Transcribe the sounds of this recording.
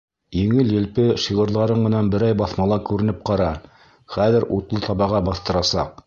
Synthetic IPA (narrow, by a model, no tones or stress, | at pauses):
jɘ̆ŋɘljɘ̆lpɘʃiʁɤ̆ɾlˠɑɾɤɴmɘ̆nænbɘ̆ɾæjbɑθmɑlˠɑkʉɾɘ̆nɘp̚qɑɾɑ | χæðɘɾut̪lˠɤt̪ɑβɑʁɑbɑθt̪ɤ̆ɾɑsɑ̰q̚